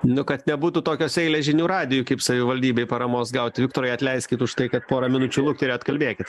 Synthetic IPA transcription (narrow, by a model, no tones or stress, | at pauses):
nʊkɐt̪nʲɛbuːt̪ʊt̪oːkʲoːsɛɪlʲɛʒʲɪnʲuːɾɑːd̪ʲɪjukɐɪpsɐʋʲɪʋɐlʲd̪ʲiːbʲɛɪpɐɾɐmoːsɡɐʊt̪ʲɪʋʲɪk̚t̪oːɾɛɪɐt̪ʲlʲɛɪsʲkʲɪt̪ʊʃt̪ɐɪkɐt̪poːɾɐmʲɪnʊt͡ʃʲulˠʊkt̪ʲɛɾʲeːɐt̪kɐlʲbʲeːkʲɪt̪